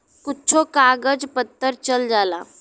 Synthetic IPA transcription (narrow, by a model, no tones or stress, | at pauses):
kutːt͡ʃʰokaɡəd͡zpət̪ːəɾt͡ɕəld͡zala